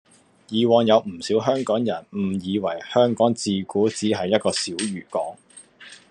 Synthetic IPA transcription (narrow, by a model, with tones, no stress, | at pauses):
jiː˨wɔː˨˧ŋjɐ˨˧wm̩˨˩siː˨˥wɦœː˥ŋkɔː˨˥ŋjɐ˨˩nm̩˨˩jiː˨˧wɐ˨˩jhœː˥ŋkɔː˨˥ŋt͡siː˨˧kuː˨˥t͡siː˨˥ɦɐ˨jːɐ˥t̚kɔː˧siː˨˥wɥyː˨˩kɔː˨˥ŋ